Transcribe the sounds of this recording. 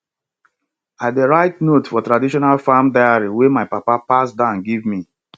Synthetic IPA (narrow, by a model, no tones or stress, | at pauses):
adeɹaɪtnotfɔtɹadiʃɔnalfamdaɪaɹiwemaɪpapapasdãʊ̃nɡivmi